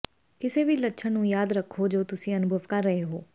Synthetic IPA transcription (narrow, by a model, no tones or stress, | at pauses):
kɪseːbʱiːləʈːʃʰənũːjaːd̪ɾəkʰːod͡ʒoːt̪ʊsĩənʊbʱəʋkaɾːəɦeɦoː